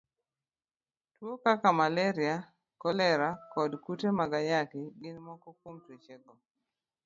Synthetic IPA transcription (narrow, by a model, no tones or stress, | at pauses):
twokakamalɛɾia | kɔlɛɾakɔdkutemaɡajakɪɡɪnmɔkɔkwomtet͡ʃeɡɔ